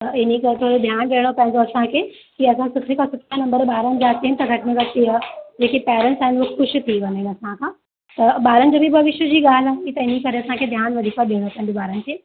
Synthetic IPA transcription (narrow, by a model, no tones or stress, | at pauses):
ɐɪnikɐɾet̪ʰoːɽod̪ʱjaːnɗeːɽ̃opɐ̃ɦɪ̃ɲd͡ʑoɐsãkʰeː | kiɐsãsʊt̪ʰikʰãsʊt̪ʰanɐ̃mbəɾɓaːɾənɪ̆d͡ʑaːt͡ɕent̪ɐɡʱɐʈɪnəkɐiad͡ʑeːkipɛːɾəɳʈsaːɦɪnxʊʃʊ̆t̪ʰiʋɐneɐsãkʰãː | t̪ɐɓaːɾənɪd͡ʑoːbʱibʱɐʋɪʃjəd͡ʑiːɠaːl̤aɦit̪ɐɪnikɐɾeɐsãkʰeːd̪ʱjaːnʋɐd̪ʱiːkaɗiːɽ̃opɐ̃ɦɪ̃ɲd͡ʑoɓaːɾənɪ̆kʰeː